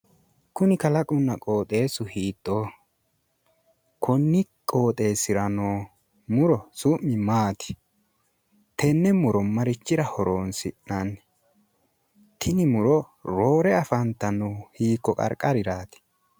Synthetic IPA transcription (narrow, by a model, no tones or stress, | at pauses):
kʊnɪkɐlɐkʼʊnːɐkʼo̞ːt̪ʼe̞ːsʊhiːt̪ʼːoː | kʰɔnːɪkʼo̞ːt̪ʼe̞ːsɪɾɐnoː | mʊɾɔsʊmːɪmaːt̪ɪ̥ | t̪ɛnːɛmʊɾɔmɐɾɪt͡ʃːɪɾɐhɔɾoːnsɪʔɐn | t̪ʰɪnɪmʊɾɔ | ɾo̞ːɾɛɐfɐnt̪ːɐnʊhiːkːɔkʼɐ̰ɾkʼːɐɾɪɾaːt̪ɪ̥